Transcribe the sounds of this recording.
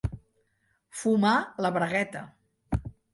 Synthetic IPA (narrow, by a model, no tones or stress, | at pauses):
fumaləβɾəɣɛt̪ə